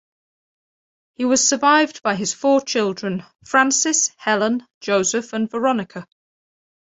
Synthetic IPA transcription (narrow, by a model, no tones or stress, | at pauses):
hiwɒz̥səvaɪvbaɪɪz̥fɔːt͡ʃʰɪlˠdɹə̃n | fɹãnsɪshɛlə̃n | d͡ʒəʊzəfə̃nvəɹɒnɪkʰə